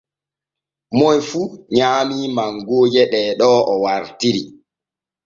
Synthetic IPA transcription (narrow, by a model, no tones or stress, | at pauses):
mɔjfuɲaːmiːmaŋɡoːd͡ʒɛɗɛːɗɔʔɔwaɾtiɾi